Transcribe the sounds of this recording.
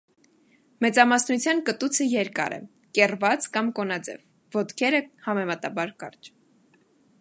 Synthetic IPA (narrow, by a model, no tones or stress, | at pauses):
mɛt͡sɑmɑsnut͡sʰjɑnkət̪ut͡sʰəjɛɾkɑ̰ɾɛ̰ | kɛrvɑt͡skɑmkɔnɑd͡zɛ̰vː | ɔt̪kʰɛɾəhɑmɛmɑt̪ɑbɑɾkɑ̰rt͡ʃ